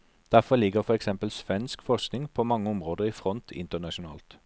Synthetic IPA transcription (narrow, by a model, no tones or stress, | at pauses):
d̪̥æfɔlɪɡəʁfɔʁɛksɛmpəlsʋɛnskfɔʁsknɪŋpʰoːmɑŋːəʊmʁoːd̪əʁiːfʁɔnt̪ʰɪ̰nt̪ənɑʃʊnɑ̰ːlt̪